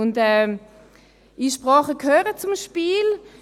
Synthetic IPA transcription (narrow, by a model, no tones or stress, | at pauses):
ʊndɛː | iʃpʁɑːχəkʰhøːʁət͡sʊmʃpiːl